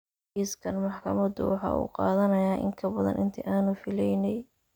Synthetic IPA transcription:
ʔiskʰɐnmɑħkʰɐmɐd̪ʊ̰wɑħɑ̰ːʔṵːqɑ̰ːðɐnɐjaːʔɪ̰ŋkʰɐbɐðɐ̰nʔɪnt̪ʰɐʔaːnʊfɪlɛjnɛj

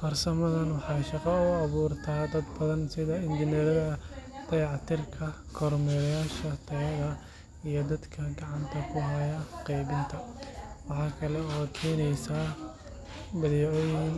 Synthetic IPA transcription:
fɐrsɐmɐðɐnwɑħɑːʃɑqɑʊɑβuːrt̪ʰaːd̪ɐd̪bɐðɐnsɪðɐɪnd͡ʒ̪ɪnɛɾɐðɐt̪ʰɐjʕɑt̪ʰɪrkʰɐkʰɔɾmɛːɾjaːʃɐt̪ʰɐɣɐðɐ | ijɞd̪ɐd̪kʰɐɡɑʕɑnt̪ʰɐkʰʊɦɐjɐqiːbɪnt̪ʰɐwɑħɑːkʰɐlɛɔːt̪kʰɛːnɛjsaː | bɐðɛːʕɔjɪn

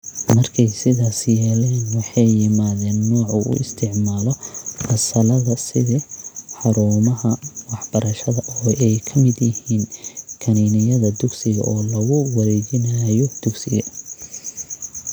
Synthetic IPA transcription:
mɐrkʰɛjsɪðaːsjɛːlɛːnwɑħɑjːɪmaːðɛːnːɔːʕʊʔʊ̰ɪst̪ʰɪʕmaːlɔfɐsɐlɐðɐsɪðɪħɑɾuːmɐɦɐwɑħb̥ɐɾɐʃɐðɐʔɔːɛjkʰɐmɪd̪jɪhiːnkʰɐninɪjɐðɐd̪ʊɡsɪɣɐ̰ʔɔːlɐɣʊwɐɾɛːd͡ʒɪnɐjɔd̪̥ʊɡsɪɣɐ

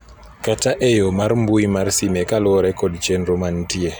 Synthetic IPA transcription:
kataʔejomaɾmbujmaɾsimɛkalɔɾɛkɔdt͡ʃɛnɾomantie

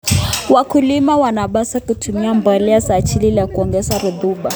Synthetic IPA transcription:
wakulimawanaɓasakutʰumiambɔliasaːt͡ʃililakuɔŋɡɛsaɾuðuɓa

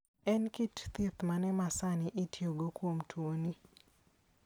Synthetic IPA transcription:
ɛnkitt̪it̪manɛmasanɪʔɪtʰjoɡokwomtwoni

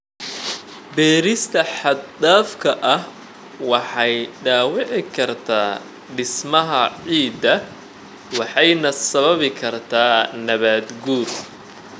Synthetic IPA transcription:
bɛːɾɪst̪ʰɐħɑd̪aːfkʰɐʔɐh | wɑħɑjɖaːwɪʕɪkʰɐrt̪ʰaː | ɖɪsmɐɦɐʕiːd̪ɐ | wɑħɑjnɐsɐβɐβɪkʰɐrt̪ʰaːnɐβaːd̪ɡuːr

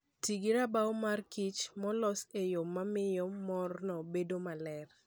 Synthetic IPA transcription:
tiɡiɾabawmarkit͡ʃmɔlɔsejomːamɪjɔmɔrnɔbedomalɛr

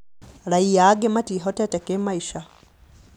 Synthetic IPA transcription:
laijaɡematiɦɔtɛtɛkemaiʃa

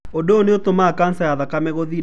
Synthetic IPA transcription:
odoːneot̪omakansajaðakamɛɣoðiɾ

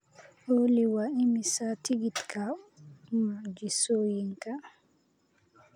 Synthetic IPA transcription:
ʔoliwaimisatiɡit̪kʰa | mad͡ʒisojiŋka

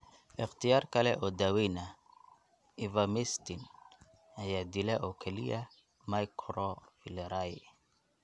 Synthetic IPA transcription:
ʔɪχt̪ijaːrkɐlɛ̰ʔɔːd̪awɛjnɐ | ivamɛst̪in | ɐjaːd̪ilɛʔɔkʰɛlḭjɐ | majkʰɾɔfilɛɾaj

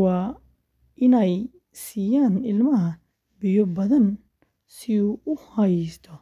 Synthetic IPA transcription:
wɑː | ʔɪnɛj | siːjaːnɪlmɐɦɐ | bɪjɔbɐðɐn | sɪuːʔʊhɐjst̪ʰɔ

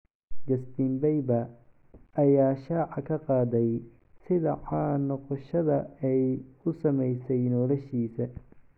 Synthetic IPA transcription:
d͡ʒɐstiːmbɛjbɐ | ɐjaːʃaːʕɑkʰɐqɑːðɛj | sɪðɐħɑnɔqɔʃɐðɐɛjʊsɐmɛjsɛjnɔːlɐʃiːsɐ

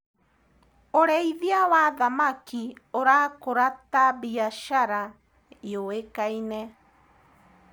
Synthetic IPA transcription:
oɾɛiðiawaðamakioɾakoɾatabiaʃaɾa | eoekainɛ

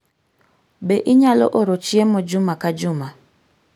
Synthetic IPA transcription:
beʔɪɲalɔ̰ʔoɾot͡ʃiemɔd͡ʒʊmakad͡ʒʊma

